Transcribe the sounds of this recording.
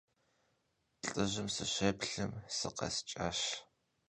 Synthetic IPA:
ɬʼɨʑɨmsɨɕeːpɬɨmsɨqɐ̰st͡ʃʼaːɕ

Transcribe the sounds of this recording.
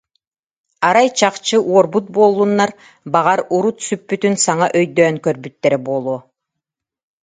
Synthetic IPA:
aɾajt͡ɕaqt͡ɕɯʔuɔɾbut̪̚buɔlˠːunːaɾ | baʁaɾuɾut̪sypːyt̪ynsaŋaʔœjd̪øːŋkœɾbyt̪ːɛɾɛbuɔlˠuɔ

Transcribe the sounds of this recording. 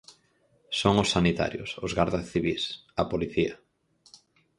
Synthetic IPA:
soŋʊsːanit̪a̰ɾjʊ̰sʊzɣaɾðasθiβisapoliθia

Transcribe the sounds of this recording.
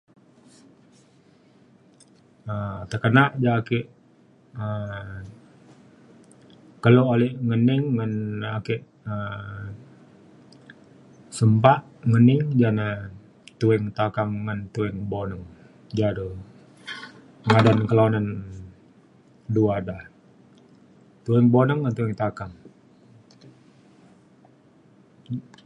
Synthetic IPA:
ət̪əkənaʔd͡ʒakɛʔ | ə | kəloʔolɛʔŋəniŋːənakɛʔ | ə | səmpaʔ | ŋənɪŋd͡ʒana | t̪uɛŋt̪akaŋːant̪uɛŋbonəŋ | d͡ʒado | ŋadankəlaunan | duada | t̪uɛŋbonəŋːant̪uɛŋt̪akaŋ

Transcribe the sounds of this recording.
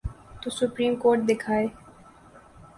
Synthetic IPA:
t̪usupɾimkoɾʈ̚d̪ekʰae

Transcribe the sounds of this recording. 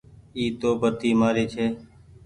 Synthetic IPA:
iːt̪oːbət̪iːmaːɾeːt͡ʃʰeː

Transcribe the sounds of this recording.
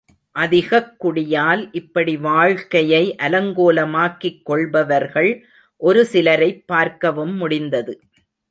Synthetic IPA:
ʔɐðɪɣɐkːʊɽɪjaːlʔɪpːɐɽiʋaːɻkɐjɐɪʔɐlɐŋɡoːlɐmaːkːɪkːɔɭbɐʋɐɾɣɐɭ | ʔɔɾɯsɪlɐɾɐɪpːaːɾkɐʋɯmːʊɽɪnd̪ɐðɯ

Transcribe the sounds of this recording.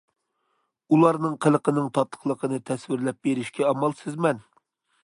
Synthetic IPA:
ulˠɑɾnɨŋqʰəlˠəqənɨŋt̪ʰɑt̪ʰːə̥χlˠəqʰənɨt̪ʰɛswɪɾlɛp̚beɾɪʃkʲʰɛɑmɑlˠsɪzmɛn

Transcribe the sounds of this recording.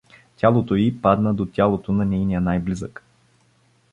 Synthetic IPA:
tʲalˠot̪oipad̪nəd̪ot̪ʲalˠot̪onɐnʲɛjnijənajblizək

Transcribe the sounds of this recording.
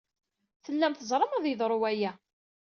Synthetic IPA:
θəlːæmθəzˤɾˤəmæðjəðˤɾˤuwæjæ

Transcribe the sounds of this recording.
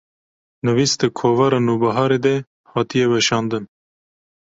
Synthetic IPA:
nɨviːsd̪ɨkʰoːvɑɾɑːnuːbɐɦɑːɾed̪ɛ | hɑːt̪ijɛbɛʃɑːnd̪ɨn

